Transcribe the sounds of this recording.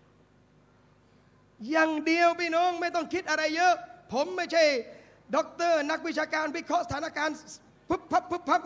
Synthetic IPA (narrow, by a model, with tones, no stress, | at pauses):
jaː˨˧ŋdi˧əwpʰiː˥˩nɔː˦˥˩ŋma˥˩jt̪ɔ˥˩ŋkʰi˦˥t̪̚ʔa˧ɾa˧jːɤː˦˥ʔpʰo˩˦mːa˥˩jt͡ɕʰa˥˩j | dɔː˦˥k̚t̪ɤː˥˩na˦˥k̚w̪̚t͡ɕʰaː˧kaː˧nwi˦˥˩kʰɔ˦˥ʔsa˧t̪ʰaː˦na˥˧kaː˧n | pʰu˦˥˩pʰːa˦˥pʰːu˦˥˩p̚pʰa˦˥p̚